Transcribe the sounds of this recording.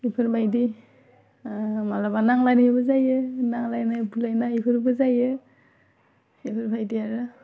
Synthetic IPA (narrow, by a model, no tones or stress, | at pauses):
ipʰɯɾbʱajdi | malabanaŋlajnibɯzajɯnaŋlajnabʰulajnaipʰɯɾbɯzajɯ | ipʰɯɾbʱajdiaɾɯ